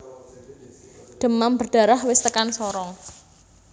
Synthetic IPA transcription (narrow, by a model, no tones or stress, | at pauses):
d̪̥ə̤mambərd̪̥a̤ɾahwɪst̪əkansɔɾɔŋ